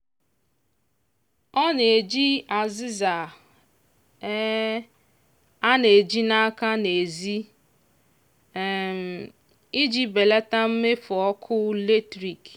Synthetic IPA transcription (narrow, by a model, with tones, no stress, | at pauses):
ɔ˦ne˨e˨d͡ʒi˦a˨zɪ˦za˨˦ | a˦ne˨e˨d͡ʒi˦na˦ka˦ne˨zi˦˨ | m̩˨ | i˦d͡ʒi˨be˨le˦ta˦m̩˦me˦fʊ˨ɔ˦kʰʊ˦le˦tɾi˨k